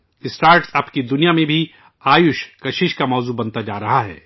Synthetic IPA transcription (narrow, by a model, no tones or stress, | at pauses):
ɪsʈaːɾʈsɐpkid̪ʊnijamẽbʱi | aːjʊʃkɐʃɪʃkamɔːzubɐnt̪ad͡ʒaːɾɐɦaɦɛ̰ː